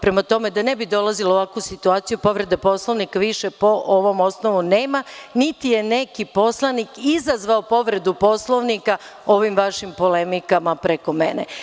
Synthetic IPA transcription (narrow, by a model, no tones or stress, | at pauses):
pɾe̞mat̪o̞me̞d̪ane̞bid̪o̞lˠaziloʋakʋusit̪uaːt̪sijupo̞ʋɾe̞d̪apo̞sloʋnikaʋiʃepo̞ʔoʋo̞mo̞snoʋuneːmanit̪ije̞nekipo̞slˠanikizazʋaopo̞ʋɾe̞d̪upo̞slˠoʋnika | o̞ʋimʋaʃimpo̞le̞mikamapɾeko̞menḛ